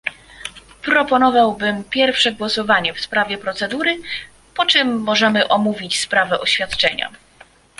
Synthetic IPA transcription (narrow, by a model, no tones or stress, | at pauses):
pɾɔpɔnɔvawbɘmpʲjɛɾfʂɛɡwɔsɔvaɲɛfspɾavʲjɛpɾɔt̪sɛd̪uɾɘ | pɔt͡ʂɛmːɔʐɛmɘʔɔmuvʲit͡ɕspɾavɛʔɔɕfʲjat̪t͡ʂɛɲa̰